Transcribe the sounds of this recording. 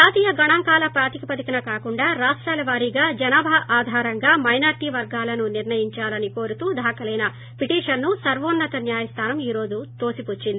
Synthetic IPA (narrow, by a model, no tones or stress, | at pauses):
d͡ʒaːt̪iːjɐɡɐɳaːŋkaːlɐpɾaːt̪ikipɐd̪ikɐnɐkaːkuɳɖaːɾaːʂʈɾaːlɐʋaːɾiɡaːd͡ʒɐnaːbɐɦɐʔaːd̪ʱaːɾɐŋɡaːmɐjnaːɾʈiːʋɐɾɡaːlɐnuniɾnɐjiɲt͡ʃaːlɐniko̞ːɾut̪uːd̪ʱaːkɐlɐjnɐ | piʈiːʂɐnːusɐɾʋoːnːɐt̪ɐnjaːjɐst̪ʰaːnɐmiːɾo̞ːd͡ʒut̪oːsiput͡ʃːind̪i